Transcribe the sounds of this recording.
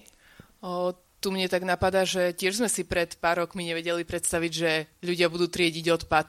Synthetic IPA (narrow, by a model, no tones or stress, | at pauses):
t̪umɲɛt̪aɡnapad̪aːʒɛcɪɛʒzmɛsipɾɛt̪paːɾɔkmiɲɛʋɛɟɛlipɾɛt̪st̪aʋiɟʒɛʎuɟɪabud̪uːt̪ɾɪɛɟiɟɔt̪pat̪